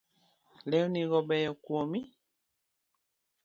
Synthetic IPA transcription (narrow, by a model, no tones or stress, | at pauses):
lɛuniɣɔbɛjɔkuɔmi